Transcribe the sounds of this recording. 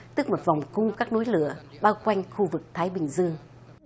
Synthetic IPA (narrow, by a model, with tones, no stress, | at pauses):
t̪ɨ˦˥k̚mo˨˩t̚va˨˩wŋ͡mkʊ˧ŋ͡mkaː˦˥k̚nu˨˦jlɨ˧˩˨əɓaː˧wkwa˧jŋ̟xu˧vɨ˨˩k̚t̪ʰaː˨˦jɓï˨˩ŋ̟zɨ˧əŋ